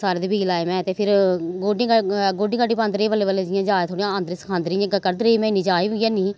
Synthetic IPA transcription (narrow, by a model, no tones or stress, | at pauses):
saːɾeːd̪eːbiːlaːemɛ̃ːt̪eːpʰɪɾɡoːɖĩɡoːɖĩːkəɖiːpãːnd̪ɾeːʋəleːʋəleːd͡ʒɪjãːd͡ʒaːt̪ʰoːɽijãːənd̪ɾiːsə̥kʰãːnd̪ɾijãːkkəɾd̪ɾeiːmɛ̃ːɪnĩːd͡ʒaːiːjãːniː